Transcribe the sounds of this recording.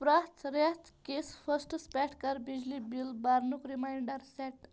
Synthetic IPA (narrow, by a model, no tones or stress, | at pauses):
pɾaɦt̪ɾaɦt̪kesfəsʈspɛʈʰkaɾbid͡ʑlibilbaɾnukɾimajɳɖəɾsɛʈ